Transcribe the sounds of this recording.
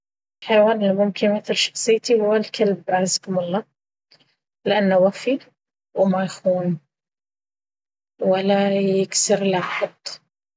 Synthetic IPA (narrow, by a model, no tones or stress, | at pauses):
ħajwaːnɪlmʊmkɪnmɪt̪ɪlʃɑ̥xsˤɨjːt̪ihʊwːalkʰalbʕazkʊmʊlˤːɑː | lɪʔanːʊwafi | wmajxuːn | walːajɪksɪɾlaħʊd̪ˤ